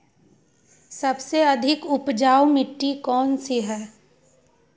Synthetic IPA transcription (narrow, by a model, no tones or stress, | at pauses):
sɐbseɐd̪ʱɪkʊpd͡ʒaːwmɪʈːikɔːnsiɦɛː